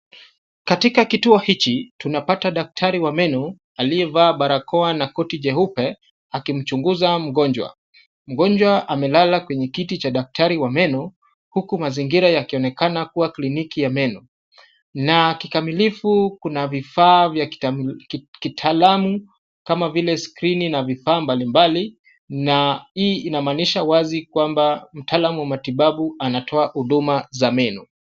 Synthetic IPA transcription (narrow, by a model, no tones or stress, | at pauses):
katikakituɔhit͡ʃitunapataɗak̚tʰaɾiwamɛnɔ | aliɛvaːɓaɾakʰɔanakɔtiʄɛhupɛ | akim̩t͡ʃuŋɡuzam̩ɡɔɲd͡ʒwa̰ | m̩ɡɔɲd͡ʒwaʔamɛlalakwɛɲɛkitit͡ʃaɗak̚tʰaɾiwamɛnɔ | hukumaziŋɡiɾajakiɔnɛkanakuwaklinikijamɛnɔ | nakikamilifukunavifaːvja | kitʰaːlamu | kamavilɛskɾininavifaːmbalimbali | naiːinamaːniʃawazikwambam̩taːlamuwamatiɓaɓuanatʰɔahuɗumazamɛnɔ